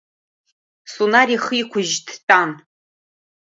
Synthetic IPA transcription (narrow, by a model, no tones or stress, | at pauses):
sunariχikʷʰʊʒdʰtʼan